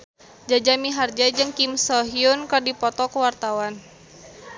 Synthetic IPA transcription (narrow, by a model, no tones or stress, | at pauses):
d͡ʒad͡ʒamiɦard͡ʒad͡ʒɨŋkimsɔɦiunkɨrdipɔt̪ɔkəwart̪awan